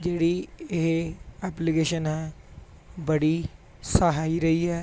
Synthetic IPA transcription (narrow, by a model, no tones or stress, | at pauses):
d͡ʒeːɽiːeɦɛːpliɡeːʃənɦɛː | bəɽiː | səɦaːiɾəiːɛː